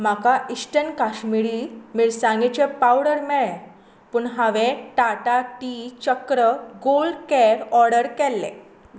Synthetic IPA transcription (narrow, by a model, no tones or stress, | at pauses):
makaisʈənkaɕmiɭiːmiːɭsãŋɡɛt͡ɕepawɽəɾmɛɭɛ | pəɳɦaʋẽʈaʈaʈit͡ɕəkɾəɡolkɛɾɔɾɽəɾkɛlːḛ̃